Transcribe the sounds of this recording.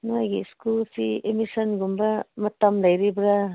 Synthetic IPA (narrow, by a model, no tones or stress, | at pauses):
nuajɡiskulsiemisɐnɡumbɐmɐtɐmlɐjɾibɾa